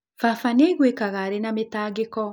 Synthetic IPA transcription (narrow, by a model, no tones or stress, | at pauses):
fafaneɣwekaɣaɾenametaːɣekɔ